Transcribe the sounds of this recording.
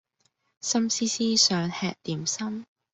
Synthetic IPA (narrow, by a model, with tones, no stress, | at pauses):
sɐ˥msiː˥siː˥sœː˨˥ŋhɛː˧k̚t̪iː˨msɐ˥m